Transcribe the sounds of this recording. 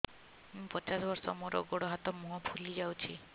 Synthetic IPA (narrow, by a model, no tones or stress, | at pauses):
mũpɔt͡ʃasbɔɾsɔ̰moɾɔ̰ɡoɽɔɦat̪ɔmũɦɔpʰulid͡ʒawt͡ʃʰi